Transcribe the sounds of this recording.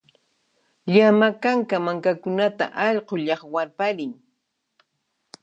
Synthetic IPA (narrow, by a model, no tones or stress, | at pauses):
ʎamakaŋkamaŋkakʊnat̪a̰ʔɑʎɢoʎɑχwaɾpaɾɪŋ